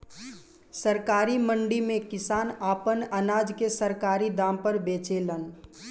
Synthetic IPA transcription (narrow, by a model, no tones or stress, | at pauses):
səɾkaɾiməɳɖimẽkɪsaːnapənənad͡ʒkesəɾkaɾid̪ampəɾbet͡ʃelən